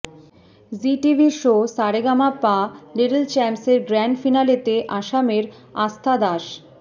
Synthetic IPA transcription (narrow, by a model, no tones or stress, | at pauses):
ziʈibʱiʃosaɾeɡamapːaleɖelt͡ɕɛmseɾɡɾaɳɖfinalet̪eʔaʃameɾ | ast̪ʰad̪aʃ